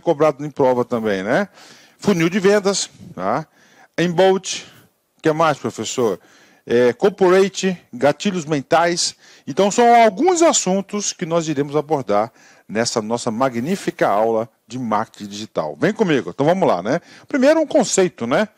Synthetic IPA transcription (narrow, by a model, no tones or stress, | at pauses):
kobɾad̪ʊẽj̃pɾɔvɐt̪ɐ̃mbẽj̃nɛ | funiwd͡ʒɪvẽnd̪ɐsa | ẽj̃bowt͡ʃɪ̥ | kɛmajspɾofesoɾ | ɛkoɾpoɾejt͡ʃɪɡat͡ʃiʎʊzmẽnt̪ajs | ẽnt̪ɐ̃w̃sɐ̃w̃awɡũzasũt̪ʊskɪnɔziɾẽmʊzaboɾd̪aɾ | nɛsɐnɔsɐmaɡnifikɐawlɐ | d͡ʒɪmaɾke̥t͡ʃĩd͡ʒiʒit̪a̰wvẽj̃kõmiɡʊḛ̃t̪ɐ̃w̃vɐ̃mʊla̰nɛpɾimejɾʊũkõsejt̪ʊnɛ